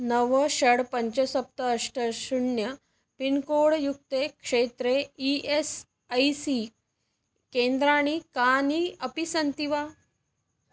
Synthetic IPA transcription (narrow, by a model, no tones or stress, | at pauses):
nəʋəɕəɽpəɲt͡ɕəsəp̚t̪əːʂʈəɕuɳjə | pinkoɽjuk̚t̪ekʂet̪ɾeies | əjsi | kend̪ɾaɽ̃ikaniəpisənt̪iʋa